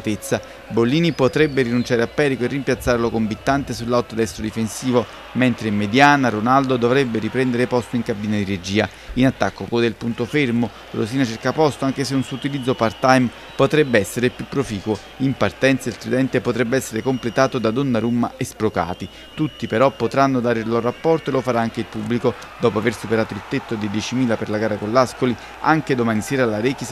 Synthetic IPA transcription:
t̪et̪sːa | bolːiːnipot̪ɾɛbːeɾinunt͡ʃaːɾeapːɛːɾikoerːimpjat̪sːaːɾelokombit̪ːant̪esulːawt̪od̪ɛst̪ɾod̪ifensiːvo | ment̪ɾemed̪jaːnaɾonald̪od̪ovɾɛbːeɾipɾɛnd̪eɾepɔst̪oiŋkabiːnad̪iɾed͡ʒiːa | inat̪ːakːokod̪elpunt̪ofermo | lo̰s̬iːnat͡ʃerkapɔst̪oaŋk̟es̬eunsut̪ilid̪zːopart̪ajm | pot̪ɾɛbːeɛsːeɾepjupːɾofiːkwo | impart̪ɛnt̪sailt̪ud̪ɛnt̪epot̪ɾɛbːeɛsːeɾekomplet̪aːt̪od̪ad̪onːaɾumːaespɾoka̰ːt̪i | t̪ut̪ːipeɾɔpːot̪ɾanːod̪aːɾeilɔɾoapːɔrt̪oelofaɾaaŋk̟eilpubːliko | d̪ɔːpoaversupeɾaːt̪oilt̪et̪ːod̪id̪jɛt͡ʃimiːlaperlaɡaːɾakonlːaskoli | aŋk̟ed̪omaːniseːɾalaɾeːk̟is

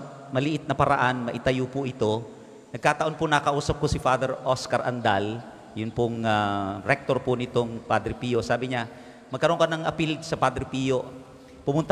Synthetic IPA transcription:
mɐlɪʔɪt̪̚nɐpɐɾaʔanmɐʔɪt̪ɐjupʊʔɪt̪o̞ | nɐɡ̚kaːt̪ɐʔo̞npʊnakɐʔuːsɐp̚kʊsɪfad̪ɛɾʔoskɐɾʔa̰nd̪a̰l | jʊnpʊŋaɾɛk̚t̪oɾpʊnɪt̪oŋpad̪ɾɪpiːjo̞saːbɪɲa | mɐɡ̚kːɐɾo̞nkɐnɐŋʔɐpild̪sɐpad̪ɾɪpijoʔ | pʊmʊnt̪

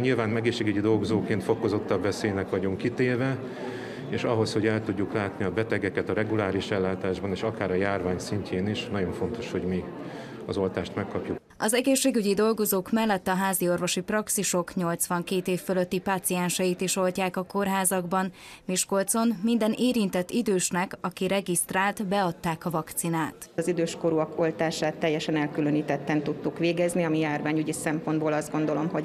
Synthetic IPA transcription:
ɲilvaːnɛɡeːʃːeːɡyɟid̪o̞lɡozoːkːeːnt̪fo̞ko̞zo̞t̪ːɒbvɛseːjnɛkʋɒɟoŋkit̪eːvɛ | eːʃɒɦo̞sho̞ɟɛlt̪uɟːuklaːt̪niɒbɛt̪ɛɡɛkɛt̪ɒɾɛɡulaːɾiʃɛlːaːt̪aːʒbɒneːʃɒkaːɾɒjaːrvaːɲsiɲcʰeːniʃnɒɟo̞ɱfo̞nt̪o̞ʃho̞ɟmi | ɒzo̞lt̪aːʃt̪mɛkːɒpjuk | ɒzɛɡeːʃːeːɡyɟid̪o̞lɡo̞zoːkmɛlːɛt̪ːɒɦaːzio̞rvo̞ʃiprɒksiʃo̞kɲo̞lt̪sʋɒŋkeːt̪eːfːøløt̪ːipaːt̪sijɛnʃɛjit̪iʃo̞lcaːkɒko̞rɦaːzɒɡbɒn | miʃko̞lt̪so̞nmind̪ɛnʔeːɾint̪ɛt̪ːid̪øːʃnɛkɒkiɾɛɡist̪raːlt̪bɛɒt̪ːaːkɒvɒkt̪sinaːt̪zid̪øːʃko̞ɾuɒko̞lt̪aːʃaːt̪ːɛjːɛʃɛnɛlkyløniːt̪ɛt̪ːɛnt̪ut̪ːukʋeːɡɛzniɒmijaːrvaːɲyɟisɛmpo̞nd̪boːlɒzd̪ɡo̞nd̪o̞lo̞mɦo̞

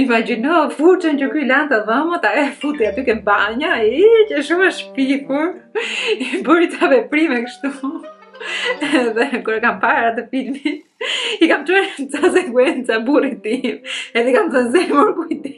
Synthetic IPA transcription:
imad͡ʑinɔfuɾt͡ʃɛncəkylant̪aðəmət̪aɛfut̪iat̪ykɛmbaɲaicəʃ̬uməʃpikuɾibəɾit̪avɛpɾimɛkəʃt̪u | ɛðɛkuɾɛkampaɾat̪əfilmit̪̚ikamt͡ʃɛɾnt͡sasɛkwɛnt͡saburit̪imɛðɛikamθənzɛmuɾkujt̪i

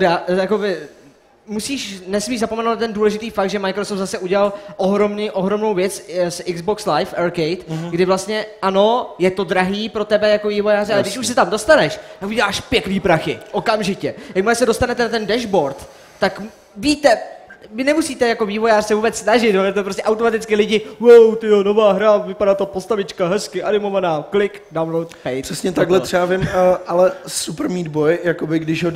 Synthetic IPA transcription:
dajakovɪ | musiːʃnɛsmiːʃzapomɛnowtnt̪ɛnduːlɛʒɪt̪iːfak̚t̪ʒɛmajkɾosoft̪zasɛʔuɟɛlalʔoɦɾo̞mniʔoɦɾo̞mno̞wvjɛt͡ssɪɡzbokslajfʔɛɾkejt̪ɡdɪvlast̪ɲɛʔano̞jɛt̪o̞dɾaɦiːpɾo̞t̪ɛbɛjako̞viːvo̞jaːrɪalɛɡdɪʃuʃs̬ɛt̪amdo̞st̪anɛʃt̪akuɟɛlaːʃpjɛkniːpɾaxɪʔokamʒɪcɛjak̚maɛsɛdo̞st̪anɛt̪ɛnat̪ɛndɛʒbo̞ɾt̪ː | ak | viːt̪ɛmɪnɛmusiːt̪ɛjako̞viːvo̞jaːr̥sɛvuːbɛt͡ssnaʒɪt̪jaɛt̪ɛpɾostcɛʔawt̪omat̪ɪt͡skɪlɪɟɪjowt̪ɪono̞vaːɦɾavɪpadaːt̪apost̪avɪt͡ʃkaɦɛskɪʔanɪmo̞vanaːklɪkdawlowt̪fɛjpr̥ɛsɲɛt̪aɡlɛt̪rɛavɪmʔalɛsupɾ̩miːd̪bojjakobɪɡdɪʃɦo

